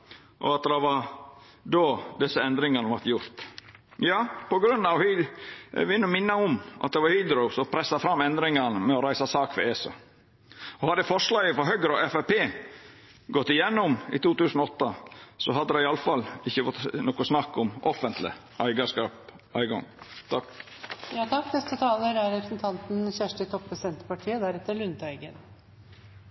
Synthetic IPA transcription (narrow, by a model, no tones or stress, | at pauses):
ʔɔ̰ɑt̪d̪d̪ɛʋɑ | d̪oːd̪ɛsːəɛnd̪ɾɪŋɑnəʋæɾt̪jʊɾt̪jɑːpɔɡɾʉnːɑʋh | ʋɪnːəmɪnːɑʊmʔɑ̰t̪̚d̪ɛʋɑhʏd̪ɾɔʊsɔpʰɾɛsːɑfɾɑmːɛnd̪ɾɪŋɑnəmɛɔɾæɪsɑsɑːkfɛ̰eːsɑ̰ | ɔhɑd̪ːəfɔʂɭɑːɡəfɔɦœɡəɾɔɛfæpeː | ɡɔt̪ːɪjɛnːʊmḭt̪uːt̪ʉːsnɔɔt̪ːəsɔɦɑd̪ːəd̪ɛɪɑləfɑlɪçːəfɔt̪nɔkʊsnɑkːʊmʔɔfənt̪lɪ̰ | ʔæɪɡɑʂkɑːp | ʔæɪɡɔ̰ŋt̪ɑ | jɑːt̪ʰɑkːnɛst̪ət̪ʰɑːləɾæɾɛpɾəsn̩t̪ʰɑnt̪n̩çæʂʈət̪ʰɔpʰːɾɛsɪd̪ɛnt̪ə̥pɑʈʰiːəd̪æɾɛt̪ːəɭʉnt̪ʰæɪɡən